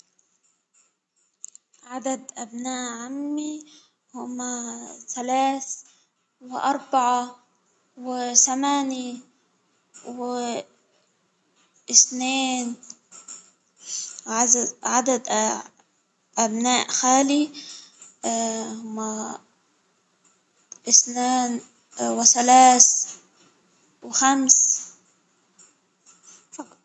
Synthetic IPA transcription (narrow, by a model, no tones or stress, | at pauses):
ʕad̪ad̪ʔabnaːʔʕamːi | hʊmːaθalaːθ | wɪʔɑɾˤbaʕa | wɪθamaːni | wɪ | ʔɪsneːn | ʕaʕad̪ad̪ | ʔabnaːʔxaːli | hʊmːa | ʔɪsneːn | wɪsalaːs | wɪxams